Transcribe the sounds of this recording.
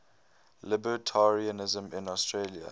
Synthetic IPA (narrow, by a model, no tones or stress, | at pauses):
lɪbətʰaɹiənɪzə̃mɪ̃nɔstʰɹelia̰